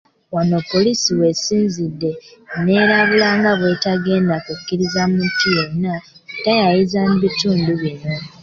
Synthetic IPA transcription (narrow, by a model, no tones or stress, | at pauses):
wano̞pːo̞lisiwe̞siːnzidːe̞ne̞ɾaβulaːŋɡaβwe̞taɡe̞ːndakukːiɾizamuntʰijenːa | tajajizanuβituːnduβino̞